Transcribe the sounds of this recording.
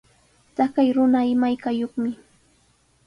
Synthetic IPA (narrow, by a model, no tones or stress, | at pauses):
t̪akajɾʊnaɪmajkajoχmɪ